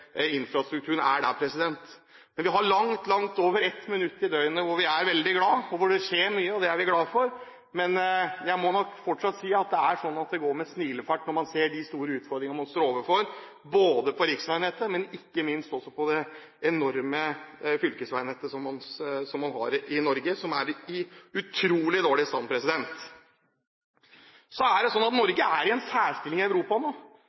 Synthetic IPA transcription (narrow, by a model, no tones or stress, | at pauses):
ɪnfɾɑst̪ɾʉkt̪ʉːənæ̰ɖæ̰pʰɾɛsɪd̪ɛnt̪ | mɛnʋɪɦɑɭɑŋt̪lɑŋt̪oːʋəɾɛt̪mɪnʉt̪ːɪd̪œʏənəʋʊɾʋɪæɾʋɛld̪ɪɡlɑːɔʋʊɖɛçeːɾmyːəɔd̪ɛæɾʋɪɡlɑːfɔɾ | mɛnjæɪmɔnɔkfɔʈʂɑt̪ːsiːɑt̪̚d̪ɛæʂɔnːɑt̪̚d̪ɛɡoːɾmɛsniːləfæʈːnɔɾmɑnseːɖɪst̪uːɾəʉːt̪fɔɾd̪ɾɪŋəmɑnst̪oːɾoːʋəfɔɾ | boːd̪əpʰɔɾɪksʋæɪnheːt̪əmɛnɪkːəmɪnst̪ɔsːɔpʰɔd̪ɛ | ɛnɔɾməfʏlkəsʋæɪnheːt̪əsɔmːɑnsɔmːɑnɦɑ̰ɾɪnɔɾɡəsɔmæɾɪʉt̪ʰɾuːlɪd̪oːɭɪst̪ɑnpʰɾɛsɪd̪ɛnt̪ | sɔæɖɛsɔnːɑt̪nɔɾɡəʔæɾɪɛnsæːɾʂt̪ɪlɪŋɪæʉɾuːpɑnoː